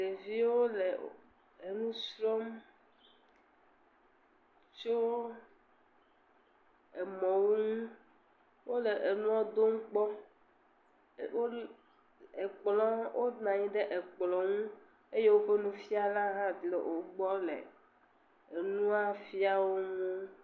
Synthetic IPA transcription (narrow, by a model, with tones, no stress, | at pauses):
ɖe˨vi˦wo˦le˨ | e˨nũ˦sɾɔ˦m | t͡ʃo˦ | e˨mɔ̃˨wo˦ŋũ˦ | wo˦le˨ʔe˨nũ˦a˦d̪o˦ŋũ˦k͡pɔ˦ | wo˦ | e˨k͡plɔ˦wʔo˦nã˨ɲĩ˦ɖe˦ʔe˨k͡plɔ˨ŋũ˦ | e˦je˦wo˦ɸe˦nũ˦fi˦a˦la˦ɦã˦d̪lḛ˨ʔo˨ɡ͡bɔ˦lḛ˨ | e˨nũ˦a˦fi˦a˦wo˦ŋ˦o˦